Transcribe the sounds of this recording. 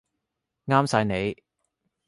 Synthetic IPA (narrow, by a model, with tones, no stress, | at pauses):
ŋaː˥msaː˨˧˥jne˨˧j